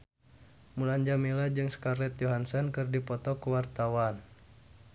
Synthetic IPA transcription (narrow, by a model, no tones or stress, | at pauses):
mulaɲd͡ʒamilad͡ʒɨŋskarlɛt̪̚jɔɦansɔnkɨrdipɔt̪ɔkuwart̪awan